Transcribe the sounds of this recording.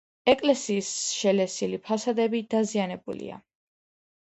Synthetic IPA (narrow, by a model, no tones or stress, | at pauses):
ɛkʼlɛsiːsʃɛlɛsilipʰasad̪ɛbid̪̥azianɛbṵlḭa̰